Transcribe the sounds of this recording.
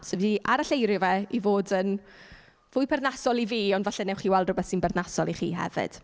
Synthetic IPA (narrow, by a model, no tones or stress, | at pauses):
sɛviːʔaɾaɬejɾɪvɛivoːdən | vʊɨpʰɛrðnasɔlˠiviːɔndvaɬɛnɛwχiːwɛlˠdrʊbɛθsɪnbɛrdnasɔlˠiχḭːɦɛ̰vɪ̰d̥